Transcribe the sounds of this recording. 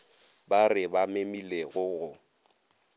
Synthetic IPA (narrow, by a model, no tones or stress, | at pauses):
barɪbamemileɣʊɣʊ